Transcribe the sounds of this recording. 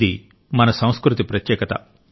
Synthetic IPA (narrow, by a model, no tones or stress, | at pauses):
d̪i | mɐnɐsɐ̃w̃skɾut̪ipɾɐt̪jɛːkɐt̪ɐ̰